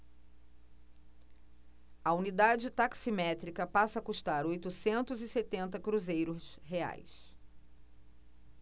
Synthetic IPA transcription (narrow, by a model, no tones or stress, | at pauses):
ɐunid̪ad͡ʒɪt̪aksimɛt̪ɾikɐpasɐkuʃt̪aɾojt̪usẽnt̪ʊziset̪ẽnt̪̬ɐkɾuzejɾʊsɦea̰js